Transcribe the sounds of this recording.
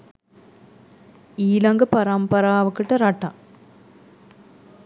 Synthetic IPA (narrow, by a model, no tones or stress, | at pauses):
iːlɐŋɡɐpɐɾɐmpɐɾaːɐʋɐkːɯʈːɐɾaʈːãː